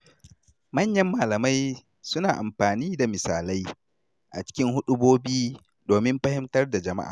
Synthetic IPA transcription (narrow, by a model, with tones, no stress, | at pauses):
mɐ˦ɲjɐ˦mːaː˨lɐ˨ma˦j | sʊ˦naː˨ʔa˨mɸaː˨niː˦da˨mɪ˨saː˨la˦j | ʔa̰˨t͡ʃɪ̥˦kʲɪ˦ŋhʊ˦ɗʊ˦boː˦biː˦ | doː˨mɪ˦mɸɐ˦hɪ˦mtɐ˦rda˨d͡ʒɐ˨ma̰˦ʔa̰ː˨